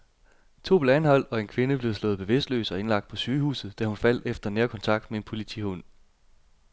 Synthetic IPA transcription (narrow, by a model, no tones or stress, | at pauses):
t͡sʰo̝̰ːb̥leænhɒ̽l̰ɒ̽e̝nkʰʋe̝nəb̥le̝ʊslɔ̽ːð̩ˠb̥e̝ʋe̝sd̥lø̰ːsɒ̽e̝nlɑ̈ɡ̥̚d̥̚pʰɒ̽syːhṵːsð̩ˠd̥æhunfæl̰d̥efd̥ɐneːɐkʰɒ̽nt͡sʰɑ̈ɡ̥̚d̥mee̝npʰo̝lit͡sʰḭhon̰